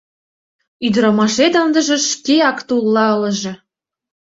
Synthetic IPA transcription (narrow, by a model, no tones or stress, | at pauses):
yd̪ɾɑmɑʃet̪ənd̪ə̆ʒĕʃkeɑkt̪ulːɑɤ̆lə̆ʒĕ